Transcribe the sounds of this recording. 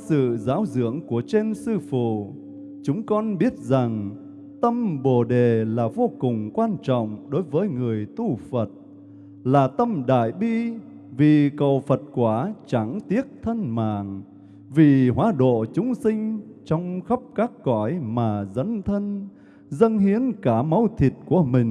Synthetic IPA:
sɨ̰˧˨zaː˨˦wzɨ̰˧˥əŋku˧˩ət͡ɕe˧nsɨ˧fṵ˧˨ | t͡ɕʊ˨˦ŋ͡mkɔ˧nɓi˦˥ət̚za˨˩ŋ | t̪ə˧mɓo˨˩ɗe˨˩laː˨˩vo˧kʊ˨˩ŋ͡mkwaː˧nt͡ɕɔ̰˧˨wŋ͡mɗo˨˦jvəː˨˦jŋɨ˨˩əjt̪u˧fə˨˩t̚ | laː˨˩t̪ə˧mɗa̰ː˧˨jɓi˧ | vi˨˩kə˨˩wfə˨˩t̚kwaː˧˩t͡ɕa˨˦ŋt̪i˦˥ət̚t̪ʰə˧nma̰ː˧˨ŋ | vi˨˩ɦwaː˨˦ɗo̰˧˨t͡ɕʊ˨˦ŋ͡msï˧ŋ̟t͡ɕɔ˧wŋ͡mxə˦˥p̚kaː˦˥kːɔ˧˩jmaː˨˩zə˨˦nt̪ʰə˧n | zə˧nhi˨˦ənkaː˧˩mə˨˦wt̪ʰi˨˩t̚ku˧˩əmï˨˩ŋ̟

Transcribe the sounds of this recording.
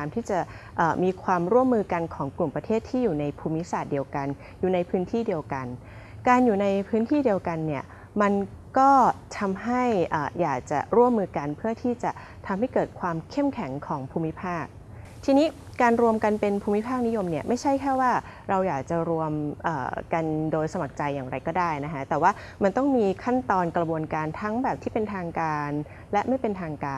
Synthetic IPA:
mt̪ʰiː˥˩t͡ɕa˨˩ | ʔəː˨˩miː˧kʰwaː˧mɾu˥˩əmːɯː˧ka˧nkʰɔː˩˦ŋklu˨˩mpɾa˧t̪ʰeː˥˩t̪ʰːiː˥˩juː˨˩na˧jpʰuː˧mːi˦˥saː˨˩t̪̚di˧əwka˧n | juː˨˩na˧jpʰɯː˦˥nt̪ʰiː˥˩di˧əwka˧n | kaː˧njuː˨˩na˧jpʰɯː˦˥nt̪ʰiː˥˩di˧əwka˧nːi˥˩ɐ | ma˧nkɔː˥˩t̪ʰa˧mɦa˥˩jʔaː˨˩jaː˨˩k̚t͡ɕa̰˨˩ɾu˥˩əmːɯː˧ka˧npʰɯ˥˩ɐt̪ʰiː˥˩t͡ɕa˨˩ | t̪ʰa˧mɦa˥˩jkɤː˨˩t̪̚kʰwaː˧mkʰe˥˩mkʰɛ˩˦ŋkʰɔː˩˦ŋpʰuː˧mːi˦˥pʰaː˥˩k̚ | t̪ʰiː˧niː˦˥ | kaː˧nɾu˧əmka˧npe˧npʰuː˧mːi˦˥pʰaː˥˩k̚ni˦˥jo˧mni˥˩ɐma˥˩jt͡ɕʰa˦˥˩jkʰɛː˥˩waː˥˩ | ɾa˧wjaː˨˩k̚t͡ɕa˨˩ɾu˧əmʔə̰ː˨˩ka˧ndoː˧jsa˧ma˨˩k̚t͡ɕa˧jːaː˨˩ŋɾa˧jkɔː˥˩daː˥˩jna˦˥kʰa˦˥t̪ɛː˨˩waː˥˩ | ma˧nt̪ɔ˥˩ŋmiː˧kʰa˥˩nt̪ɔː˧nkɾa˧bu˧ənkaː˧nt̪ʰa˦˥ŋbɛː˨˩p̪̚ʰiː˥˩pe˧nt̪ʰaː˧ŋkaː˧n | lɛ˦˥ʔma˥˩jpe˧nt̪ʰaː˧ŋkaː˧

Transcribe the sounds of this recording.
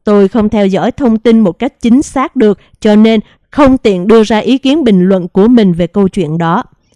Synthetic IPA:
t̪o˧jxə˧wŋ͡mt̪ʰɛ˧wzɔ̰ː˧˥˩jt̪ʰə˧wŋ͡mt̪i˧nmo˨˩t̚ka˦˥jk̟̚t͡ɕï˨˦ŋ̟saː˦˥k̚ɗɨ˨˩ək̚ | t͡ɕɔ˧ne˧n | xə˧wŋ͡mt̪ḭ˧˨ənɗɨ˧əzaː˧ʔi˨˦ki˨˦ənɓï˨˩ŋ̟lwə̰˧˨nku˧˩əmï˨˩ŋ̟ve˨˩kə˧wt͡ɕwḭ˧˨ənɗɔ˨˦

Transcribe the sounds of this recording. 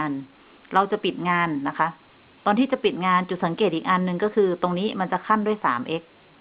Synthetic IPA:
n | ɾa˧wt͡ɕa˨˩pi˨˩t̪̚ŋaː˧nːa˦˥kʰa˦˥ʔ | t̪ɔː˧nt̪iː˥˩t͡ɕa˨˩pi˨˩t̪̚ŋaː˧nt͡ɕu˨˩t̪̚sa˩˦ŋkeː˨˩t̪̚ʔiː˨˩k̚ʔa˧nːɯ˨˧ŋkɔ˥˩kʰɯː˧t̪o˧ŋniː˦˥ma˧nt͡ɕa˨˩kʰa˥˩ndu˥˩əjsaː˩˦mʔe˦˥k̚

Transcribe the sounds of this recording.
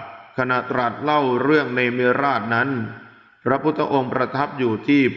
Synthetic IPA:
kʰa˧na˨˩t̪ːɾa˨˩t̪̚la˥˩wɾɯ˥˩əŋneː˧mi˦˥ɾaː˥˩t̪̚na˦˥n | pɾa˦˥pʰu˦˥t̪ʰːa̰˧ʔo˧ŋpɾa˧t̪ʰa˦˥p̚juː˨˩t̪ʰiː˥˩

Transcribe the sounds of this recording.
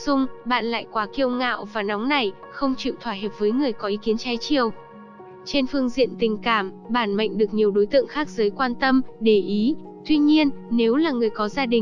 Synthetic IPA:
sʊ˧ŋ͡mɓa̰ː˧˨nla̰ː˧˨jkwaː˨˦ki˧əwŋa̰ː˧˨wvaː˨˩na˨˦wŋ͡mna˨˩j | xə˧wŋ͡mt͡ɕḭ˧˨wt̪ʰwaː˧˩həː˨˩p̚vəː˨˦jŋɨ˨˩əjkɔ˨˦ʔi˨˦ki˨˦ənt͡ɕaː˨˦jt͡ɕi˧˩əw | t͡ɕe˧nfɨ˧əŋzḭ˧˨ənt̪ï˨˩ŋ̟kaː˧˩m | ɓaː˧˩nma̰˧˨jŋ̟ɗɨ˨˩ək̚ɲi˨˩əwɗo˨˦jt̪ɨ̰˧˨əŋxaː˦˥k̚zəː˨˦jkwaː˧nt̪ə˧mɗe˧˩ʔi˨˦ | t̪wi˧ɲi˧ənːe˨˦wlaː˨˩ŋɨ˨˩əjkɔ˨˦zaː˧ɗï˨˩ŋ

